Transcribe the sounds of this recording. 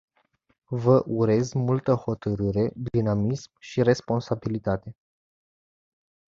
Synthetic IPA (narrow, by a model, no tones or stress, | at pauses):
vəʔuɾe̞zmult̪əho̞t̪əɾɨɾe̞d̪inamismʃiɾe̞spo̞nsabilit̪at̪e̞